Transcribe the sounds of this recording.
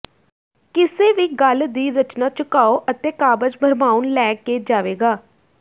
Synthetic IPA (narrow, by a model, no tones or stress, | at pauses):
kɪseːʋiːɡəld̪iːɾət͡ʃnaːt͡ʃəkaːoːʔət̪eːkaːbəd͡ʒbʱəɾmaːunlɛːkeːd͡ʒaːʋeːɡaː